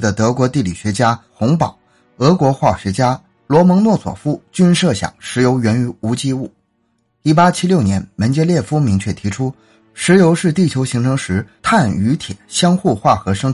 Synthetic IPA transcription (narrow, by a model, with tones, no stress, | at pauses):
d̪ə˨t̪ɤ˧˥kwɔ˧˥t̪i˥˩lḭ˨˩ɕɥɛ˧˥t͡ɕja˥xʊ˧˥ŋpɑ˨˩˦ʊ | ɤ˧˥kwɔ˧˥xwa˥˩ɕɥɛ˧˥t͡ɕja˥ | lwɔ˧˥mɤ˧˥ŋnwɔ˥˩swɔ̰˨˩fu˥˩t͡ɕy˥nʂɤ˥˩ɕjɑ̰˨˩ŋʂɻ̩˧˥jo˧˥ʊɥɛ˧˥ny˧˥u˧˥t͡ɕi˥u˥˩ | i˥˩pa˥t͡ɕʰi˥ljo˥˩ʊnjɛ˧˥nmə˧˥nt͡ɕjɛ˥ljɛ˥˩fu˥mi˧˥ŋt͡ɕʰɥɛ˥˩t̪ʰi˧˥ʈ͡ʂʰu˥ | ʂɻ̩˧˥jo˧˥ʊʂɻ̩˥˧t̪i˥˩t͡ɕʰjo˧˥ʊɕi˧˥ŋʈ͡ʂʰɤ˧˥ŋʂɻ̩˧˥t̪ʰa˥˩ny˧˥t̪ʰjɛ˨˩˦ɕjɑ˥ŋxu˥˧xwa˥˩xɤ˧˥ʂɤ˥ŋ